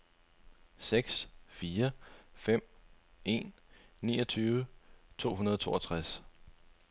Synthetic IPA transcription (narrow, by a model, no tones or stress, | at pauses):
seɡ̥sfiːɐfem̰e̝̰nː | ḭːɒ̽t͡sʰyːʋət͡sʰo̝̰ːɦunɐð̞ˠɒt͡sʰo̝̰ːɒt͡sʰʁas